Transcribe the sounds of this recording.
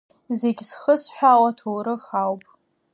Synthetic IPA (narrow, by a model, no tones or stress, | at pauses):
ze̞ɡʲsχəsħʷᶣawatʰowɾɨχawpʼ